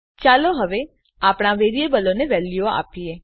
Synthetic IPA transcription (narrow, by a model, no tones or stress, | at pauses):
t͡ʃaloɦəʋe | apɽ̃aʋeɾiebəloneʋɛljoa̰pije